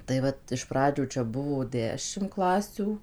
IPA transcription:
tɐɪ ˈʋɐt ɪʃ ˈprɑːd͡ʒʲuː t͡ʃʲɛ ˈbʊʋoː ˈdʲæːʃʲɪm ˈklˠɑːsʲuː

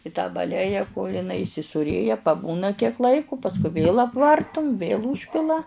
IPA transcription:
ɪ tɑː bɐˈlʲæːjɛ koːlʲ ɪˈnɐɪ iːsʲɪsuːˈrʲeːjɛ pɐˈbuːnɐ kʲiɛk ˈlˠɐɪkʊ pɐsˈkʊɪ ʋʲeːlˠ ɐpˈʋɐrtʊm ʋʲeːlˠ ˈuːʃʲpʲɪlˠɐ

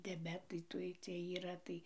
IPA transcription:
dʲɛˈbʲæːtɐɪ ˈtuɔj ˈt͡sʲiɛj iːˈrɐ tɐɪ

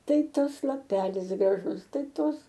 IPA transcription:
ˈtɐɪ ˈtɐs lˠɐˈpʲæːlʲɪs ɡrɐˈʒʊs ˈtɐɪ ˈtoːs

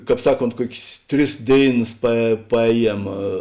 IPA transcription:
ˈkɑːp ˈsɑːˌkoːnt ˈkuɔkʲsʲ ˈtʲrʲɪs ˈdʲeːɪˌnɐs pɐ pɐˈɛːˌjiɛm

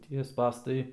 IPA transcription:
ˈtʲiɛ ˈspɑːstɐɪ

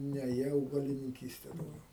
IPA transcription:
ˈnʲɛ jiɛ ɐʊɡɐlʲɪnʲɪŋʲˈkʲiːsʲtʲɛ dɐʊˈɡʲɛʊ

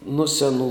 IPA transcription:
nʊ sʲɛˈnuː

